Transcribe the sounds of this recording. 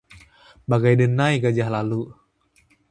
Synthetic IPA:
baɡajdənajɡad͡ʒahlalu

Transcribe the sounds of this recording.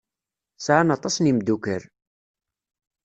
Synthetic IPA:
sʕanɑt̪ˤɑsnimd̪ukəɾ

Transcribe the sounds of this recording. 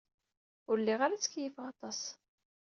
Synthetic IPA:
ʊɾlːiʁaɾæt͡sə̥kːjəfʁɑt̪ˤɑs

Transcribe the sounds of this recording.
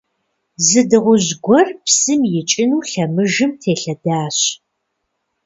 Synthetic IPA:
zɨdɨʁʷʊʑɡʷɔrpsɨmjɪt͡ʃʼɪnuːɬɐmɨʒɨmtʰeːɬɐdaːɕ

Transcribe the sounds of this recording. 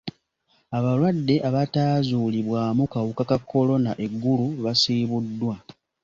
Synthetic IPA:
aβalwadːe̞ʔaβataːzuːliβwaːmukawukakakʰːo̞lo̞naʔe̞ɡːuluβasiːβudːwa

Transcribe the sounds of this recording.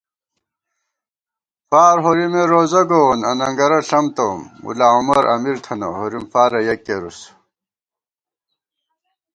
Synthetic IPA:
faːɾɦoɾimeɾoːzɐɡowonɐnɐŋɡɐɾɐɬɐmt̪ɐmṵlaːumɐɾʔɐ̰miɾt̪ʰɐnɐhoɾimfaːɾɐjɐkːeɾus

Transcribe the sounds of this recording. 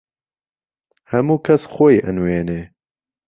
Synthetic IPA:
hɛmuːkʰɛsxoiʔə̰nweːneː

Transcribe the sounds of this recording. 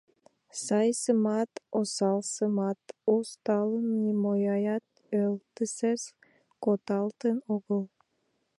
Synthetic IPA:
sɑjsɨmɑt̪osɑlˠsɨmɑt̪ost̪ɑlˠnimojɑjɑt̪̚ | ølˠt̪ɨses | kot̪ɑlˠt̪ənoɣəlˠ

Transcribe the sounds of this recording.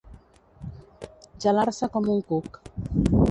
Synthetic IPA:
d͡ʒalaɾsakɔmuŋ̩kuk

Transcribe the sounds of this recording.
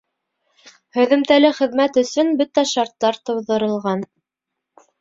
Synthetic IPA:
hɵ̆ðɘ̆mt̪ælɘχɘ̆ðmæt̪ɵ̆sɵnbɵt̪æʃɑɾt̪ːɑɾt̪ɤ̆wðɤ̆ɾɤ̆lˠʁɑn

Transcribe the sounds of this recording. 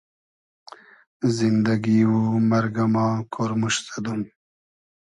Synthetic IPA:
zind̪aɡiwumaɾɡamɑːkʰoɾmuʃt̪ad̪um

